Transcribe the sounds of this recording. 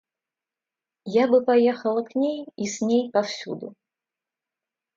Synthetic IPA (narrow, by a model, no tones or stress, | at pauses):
jabɨpɐjɛxəlˠəknʲejisʲnʲejpɐfsʲud̪ʊ̰